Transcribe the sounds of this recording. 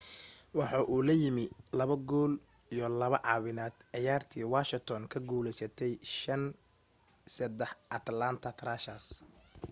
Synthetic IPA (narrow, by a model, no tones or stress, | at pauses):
wɑħɑːʔuːlɐjɪmɪlɐβɐɡɔːl | ijɔlɐβɐʕɑːwɪnaːd̪̥ʕɑjaːrt̪ʰiːwaːʃɪt̪ʰɔːnkʰɐɡuːlɛjsɐt̪ʰɛjʃɐn | sɐd̪ɛħʔɐt̪lant̪ʰɐt̪ʰɾaːʃaːs